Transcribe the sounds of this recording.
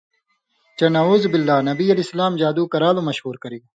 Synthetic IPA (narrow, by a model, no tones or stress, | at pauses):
t͡ɕɐnɐuːzbɪlːaːnɐbiɐlesɐlaːmd͡ʑaːd̪uːkɐɾaːlomɐʃhuːɾkɐɾiː